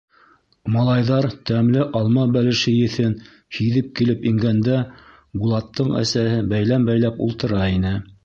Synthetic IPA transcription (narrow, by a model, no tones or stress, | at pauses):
mɑlˠɑjðɑɾt̪æmlɘʔɑlˠmɑbælɘ̆ʃɘjɘ̆θɘn | hiðɘp̚kilɘpiŋɡænd̪æ | bulˠɑt̪ːɤɴæ̰sæhɘbæjlæmbæjlæpṵlˠt̪ɤ̆ɾɑinɘ